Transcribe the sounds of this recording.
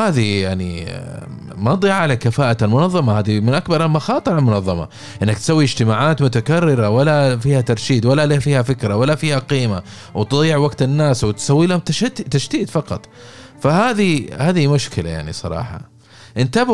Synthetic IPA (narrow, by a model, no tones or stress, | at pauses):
aːðijaʕnḭ | mɑd̪ˤiʕalakafaːʔat̪almʊnɑðˤːɑmahaːðimɪnʔakbɑɾˤalmɑxɑːt̪ˤɨɾˤalmʊnɑðˤːɑmɑ̰ | ʔɪnːakt̪sawːiɪd͡ʒt̪ɪmaːʕaːt̪mʊt̪akarːɪɾawalːafiːhat̪ɑɾˤʃiːd̪walːalafiːhafɪkɾawalːafiːhaqiːma | wt̪ɨðˤiːɪʕwaɡt̪anːaːswɪt̪sawːiːlahʊmt̪t̪aʃd̪iːd̪fɑqɑt̪ˤ | fahaːðihaːðimʊʃkɪla̰ja̰ʕnḭsˤɑ̰ɾˤɑ̰ːħɑ̰ | ʔɪnt̪ab